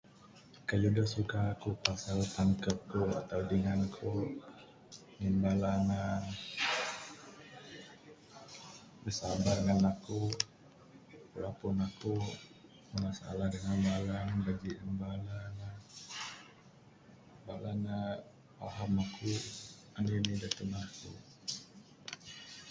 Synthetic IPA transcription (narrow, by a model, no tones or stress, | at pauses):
kaludəhsukaːkupasalt̪aŋkəp̚kua̰t̪awdəŋankʰu | ŋimbalana | bəsabarŋanaku | pulapunaku | mənasaa̰lahdəŋanbalanbaɡiʔəmbalana | bala̰na | wa̰ɦamakʰu | andinidat̪ənakṵ